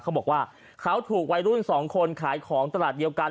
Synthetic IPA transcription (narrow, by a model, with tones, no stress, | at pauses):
kʰa˦˥wbɔː˨˩k̚waː˥˩ | kʰa˦˥wt̪ʰuː˨˩k̚wa˧jɾu˥˩nsɔː˩˦ŋkʰo˧nkʰaː˩˦jkʰɔː˩˦ŋt̪a˧laː˨˩t̪̚di˧əwka˧